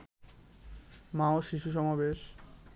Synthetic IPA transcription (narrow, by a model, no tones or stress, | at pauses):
maoʃiʃuʃ̬ɔmabeʃ